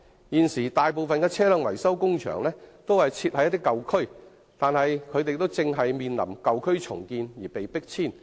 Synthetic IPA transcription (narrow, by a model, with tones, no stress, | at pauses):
jiː˨nsiː˨˩t̪aː˨jp̬o˨˧wfɐ˨nkɛː˧t͡sʰɛː˥lœ˨ŋwɐ̰˨˩jsɐ˥wkʊ˥ŋt͡ʃʰœ̰ː˨˩ŋlɛː˥t̪o˥whɐ˨jt͡sʰiː˧t̚hɐ˨˧jɐ˥t̪̬ːɪ˥kːɐ˨wkʰɵ˥ɥ | t̪aː˨˧nɦɐ˨jkʰɵ˨˧ɥt̪e˨˧jt̪o˥wt͡sɪ˧ŋɦɐ˨jmiː˨nlɐ̰˨˩mkɐ˨wkʰɵ˥ɥt͡ʃʰʊ̰˨˩ŋkiː˧njiː˨˩pe˨jpɪ˥k̚t͡sʰiː˥˩n